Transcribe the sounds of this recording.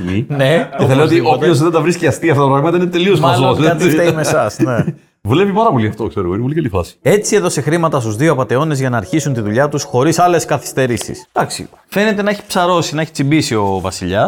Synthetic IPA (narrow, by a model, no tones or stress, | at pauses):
mineeθɐleot̪iʔopçozðend̪ɐvɾisciɐst̪iɐft̪ot̪ɐpɾɐɣlmɐt̪ɐinet̪e̞liozmɐzosðt̪t̪eimesɐsne | vule̞pipɐɾɐpo̞liɐft̪okseɾoɣoinepolikɐlifɐ̰si̥e̞t͡sieðo̞sexɾimɐt̪ɐst̪uzðioɐpɐt̪e̞o̞ne̞zʝɐnɐːɾçisunt̪iðuʎɐt̪usxo̞ɾisɐle̞skɐθi̥st̪e̞ɾisḭsd̪̥ɐksḭ | fe̞ne̞t̪e̞nɐeçi̥psɐɾo̞sinɐeçi̥t͡simbisio̞vɐ̰siʎɐs